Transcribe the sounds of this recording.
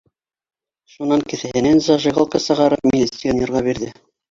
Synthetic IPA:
ʃunɑŋkɘ̆θɘ̆hɘ̆nænzɑʒɤ̆ɣolˠkɑsɤ̆ʁɑɾɤpmʲilʲit̪sijonʲĕɾʁɑβiɾðɘ

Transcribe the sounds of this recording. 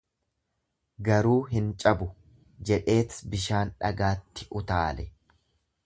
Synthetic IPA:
ɡɐɾuːɦɪnt͡ʃʼɐbʊ | d͡ʒɛᶑe̞ːt̪sbɪʃaːnᶑɐ̰ɡaːt̪ːɪʔʊt̪aːlɛ

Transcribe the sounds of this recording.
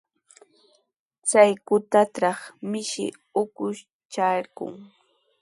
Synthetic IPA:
t͡sajkʊt̪at̪ɾɑχmɪʃɪ̰ | ʊkʊʃ | t͡ʃaɾkʊ̰ŋ

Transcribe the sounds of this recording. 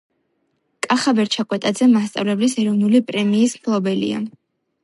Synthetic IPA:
kʼaχabɛɾt͡ʃʰakʼwɛt̪ʼad̪zɛmast̪sʼa̰vlɛblisɛɾɔvnulipʼɾɛmiːsmkʰlˠɔbɛlḭa̰

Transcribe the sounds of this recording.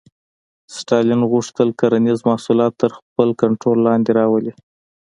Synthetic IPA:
sʈɑlɪnɣuʂt̪əlkaɾanizmɑhsulɑt̪ːəɾxpəlkaɳʈɾolːɑnd̪eɾɑwəli

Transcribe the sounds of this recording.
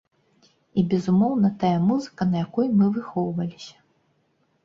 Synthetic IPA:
ibʲɛzumɔwnɐt̪ajɐmuzɨkɐnɐjakɔjmɨvɨxɔwvɐlʲisʲɐ̥

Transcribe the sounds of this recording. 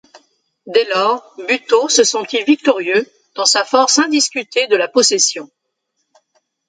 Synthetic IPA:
d̪ɛlɔːʁbyt̪osəsɑ̃t̪ivik̚t̪ɔʁjø | d̪̥ɑ̃safɔʁsɛ̃d̪iskʲyt̪ʰed̪əlapɔsɛsjɔ̃

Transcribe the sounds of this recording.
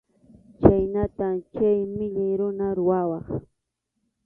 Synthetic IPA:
t͡ʃajnat̪amt͡ʃajmɪʎajɾʊnaɾʊwawɑχ

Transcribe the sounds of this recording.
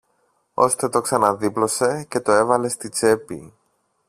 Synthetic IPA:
o̞̰st̪e̞t̪o̞ksɐnɐðiplo̞se̞ce̞t̪o̞e̞vɐle̞st̪it͡se̞pḭ

